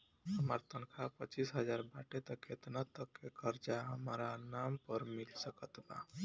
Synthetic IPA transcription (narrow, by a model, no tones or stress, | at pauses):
ɦəməɾt̪ənkʰapət͡ʃisɦəd͡ʒaɾbaʈet̪əkːet̪nat̪əkːekəɾd͡ʒaɦəmɾanampəɾmilsəkət̪ba̰